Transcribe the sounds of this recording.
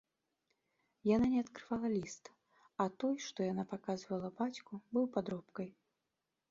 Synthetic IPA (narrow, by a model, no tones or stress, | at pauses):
jananʲɛɐt̪kɾɨvalˠɐlʲist̪ | at̪ɔjʂt̪ɔjanapakazvɐlˠɐbat͡sʲkubɨwpad̪ɾɔpkɐj